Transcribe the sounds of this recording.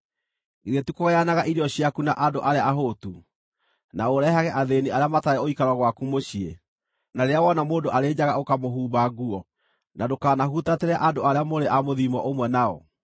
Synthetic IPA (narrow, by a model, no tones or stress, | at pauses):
iɾetukoɣejanaɣaʔiɾeɔɕiakuna̰ʔandoʔaɾeaːɦotu | naoɾɛɦaɣɛʔaðeniaɾeamataɾɛoikaɾwaɣwakumoɕie | naɾeawɔnamoːndoʔaɾeːd͡ʑaɣaokamoɦuːbaɣuɔ | nadokaːnaɦutateɾɛaʔandoaɾeamoɾeʔamoðimɔʔomwɛnaɔ̰